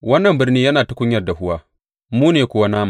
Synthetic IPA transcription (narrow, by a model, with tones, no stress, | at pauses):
wɐ˦nːɐ˨mbɪ˦rniː˦jɐ˦naː˨ta˦kʷʊ˦ɲjɐ˨rda˨ɦʊ˦waː˦ | muː˦neː˨kʷʊ˦wa˦naː˦ma˨